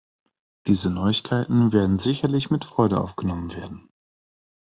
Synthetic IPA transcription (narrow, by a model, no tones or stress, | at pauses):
d̥iːzənɔʏɪçkʰaɪtn̩veːɐdn̩zɪçɐlɪçmɪtfʁ̥ɔʏɾəʔa̰ʊfɡ̥ənɔmənveːɐdn̩